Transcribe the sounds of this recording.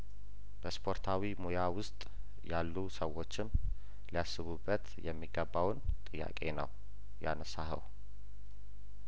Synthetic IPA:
b̥əspʰo̞ɾt̪ʰawimojawʊst̪ʼ | jalːusəwo̞t͡ʃːɪn | lijasːɨβubːət̪jɛmːiɡəbːawnt̪ʼɨjːa̰kʼe̞nə̰w | ja̰nəsahə̰w

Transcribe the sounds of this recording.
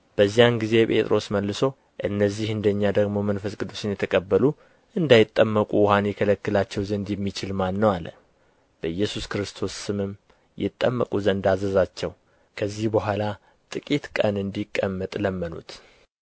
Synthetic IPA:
b̥əzːijanɡize̞pʼe̞̰t̪ʼɾʔo̞sməlːɨso̞ | ʔɨnːəzːihɨnd̪əɲːad̪əɡmo̞mənfəsɡɨd̪usɨnjɛt̪ʰəkʼəbːəlu | ʔɨnd̪ajɪt̪ʼːəmːəkʼuwhanjɛkʰələkːɨlat͡ʃːɛwzənd̪jɛmːit͡ʃɪlmanːəwalːə̰ | b̥əɨjːɛsuskɾɨst̪ʰo̞sːɨmɨm | jɪ̰t̪ʼːəmːəkʼuzənd̪azəzat͡ʃːɛw | kʰəzːihbəɦʷala | t̪ʼɨkʼit̪kʼənɨnd̪ikʼːəmːət̪ʼləmːənṵt̪

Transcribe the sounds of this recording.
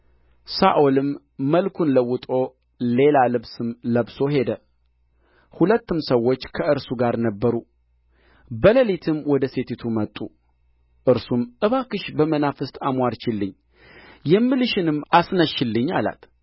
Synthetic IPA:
saʔolɨmː | əlkʰunləwʊt̪ʼo̞ | le̞lalɨβsɨmləβso̞ɦe̞d̪ə | hulət̪ːɨmsəwːo̞t͡ʃːkʰəʔɨɾsuɡaɾnəbːəɾu | bələlit̪ʰɨmwɔd̪əse̞t̪it̪ʰumət̪ʼːu | ʔɨɾsumʔɨβakɨʃbəmənafɨst̪ʼamwaɾt͡ʃɪlːɨɲː | jɛmːɨlɨʃɪnɨmːasnəʃːɪlːɨɲːala̰t̪

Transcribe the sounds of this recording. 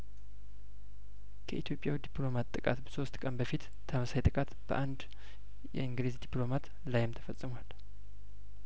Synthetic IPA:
kʰəʔit̪ʰjo̞pʼjawid̪iplo̞mat̪ʼːɨkʼa̰t̪bəso̞st̪kʼənbəfit̪ | t̪ʰamsajt̪ʼɨkʼat̪b̥ə̰ʔand̪ | jɛ̰ɨŋɡlezd̪iplo̞mat̪ | lajɪmt̪ʰə̥fəsʼɨmwal

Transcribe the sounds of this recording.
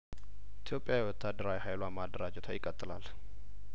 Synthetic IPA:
it̪ʰijo̞pʼjajɛwɔt̪ʰːad̪ːəɾawihajlwamad̪əɾad͡ʒɛt̪ʰajɪkʼət̪ʼːɨlal

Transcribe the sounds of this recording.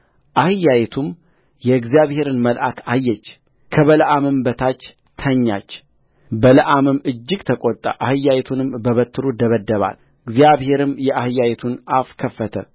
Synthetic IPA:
ʔahɨjajɛt̪ʰum | jɛɨɡzijaβhe̞ɾɨnməlʔakʰajːɛt͡ʃː | kʰəβələʔamɨmbət̪ʰat͡ʃː | t̪ʰəɲːa̰t͡ʃː | bələʔamɨmɨd͡ʒːɪɡt̪ʰəkʼot̪ʼːə̰ʔahɨjːajɛt̪ʰunɨmbəβət̪ːɨɾud̪əβəd̪ːəβa̰l | ɨɡzijaβhe̞ɾɨmjɛʔahɨjːajɛt̪ʰunʔafkʰəfːət̪ʰə̰

